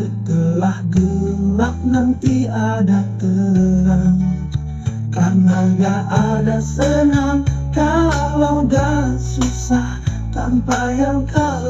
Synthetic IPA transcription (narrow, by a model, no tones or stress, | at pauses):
ət̪əlahɡəlak̚nant̪iadat̪əlaŋ | karnaɡaadasənaŋkawawdasusah | t̪ampajaŋka